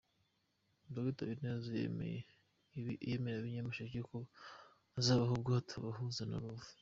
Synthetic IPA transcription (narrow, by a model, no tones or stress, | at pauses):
baɡitaβinez | jemeɾaβiɲamaʃaiko | zaːβaɦobɡaːtʰaβahuzana̰ɾuvu̥